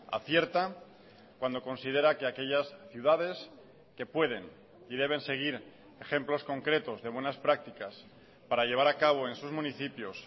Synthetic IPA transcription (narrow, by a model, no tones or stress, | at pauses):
a̰θje̞ɾt̪a | kwand̪o̞ko̞nsið̞e̞ɾake̞ake̞ʎasθjuðað̞e̞s | ke̞pwe̞ð̞e̞n | ið̞e̞β̞e̞nse̞ɣ̞iɾ | e̞xe̞mplo̞sko̞ŋkɾe̞t̪o̞zðe̞β̞wenaspɾak̚t̪ikas | paɾaʎe̞βaɾakaβ̞o̞e̞nsuzmũniθipjo̞s